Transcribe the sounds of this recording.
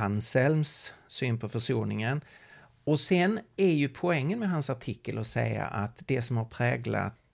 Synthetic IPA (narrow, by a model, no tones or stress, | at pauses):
ansɛlmsːyːnpʰɔfœʂuːnɪŋən | ɔsɛnæɾjɵpʰʊɛŋːənmɛɦansaʈʰɪkːəlɔsɛ̰ja̰ʔat̪d̪ɛsɔmhaɾpʰɾɛːɡla̰t̪